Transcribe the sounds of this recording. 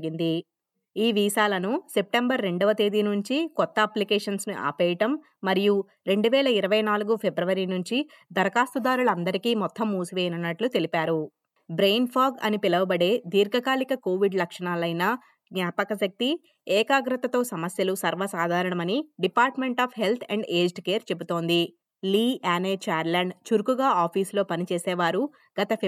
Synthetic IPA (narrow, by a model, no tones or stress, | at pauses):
ɡind̪i | iːʋiːʃaːlɐnuse̞p̚ʈembɐɾːe̞ɳɖɔʋɐt̪e̞ːd̪inuɲt͡ʃikɔt̪ːɐɐplikeːʂɐnsniʔa̰ːpɛːjɐʈɐmː | ɐɾiju | ɾe̞ɳɖuʋɛːlɐiɾɐʋɐjnaːluɡupʰebɾɐʋɐɾinuɲt͡ʃi | d̪ɐɾɐkaːst̪ud̪aːɾulɐɐnd̪ɐɾikiːmɔt̪ʰːɐmːuːsuʋejɐnɐnːɐʈlut̪e̞lipaːɾu | bɾejnpʰaːɡɐ̰nipilɐʋɐbɐɽe̞ːd̪iːɾɡʱɐkaːlikɐko̞ːʋiɖlɐkʂɐɳaːlɐjnɐ | ɡnʲaːpɐkɐʃɐk̚t̪i | ɛːkaːɡɾɐt̪ɐt̪o̞ːsɐmɐsjɐlusɐɾʋɐsaːd̪ʱaːɾɐɳɐmɐniɖipaːɾʈme̞ɳʈaːpʰɦe̞lt̪ʰɛɳɖeːd͡ʒʈkeːɾt͡ʃe̞but̪o̞ːnd̪i | liːaːneːt͡ʃaːɾlaːɳɖt͡ʃuɾkuɡaːaːpʰiːslo̞ːpɐnit͡ʃeːsɛːʋaːɾu | ɡ̥ɐt̪ɐ